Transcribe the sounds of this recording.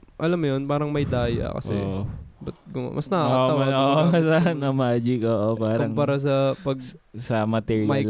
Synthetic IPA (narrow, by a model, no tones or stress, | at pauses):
ʔɐlɐmːjonpaːɾɐŋmɐjd̪aːjɐ̰kɐ̰sɛ̰bɐt̪̚ɡʊŋa̰mʔɐsnɐkakːoɐwɐoʔoɐsɐnɐmaːd͡ʒɪkoːʔopaːɾkʊɐmŋpaɾas̬ɐpɐɡ̚sɐmɐt̪ɛjmɐj